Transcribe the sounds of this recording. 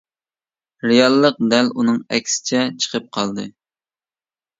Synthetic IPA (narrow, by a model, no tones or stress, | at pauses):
ɾejɑlˠːəq̚d̪ɛlunɨŋɛ̰kʲsɪ̥t͡ʃʰɛt͡ʃʰə̥qʰəp̚qʰɑlˠd̪ɨ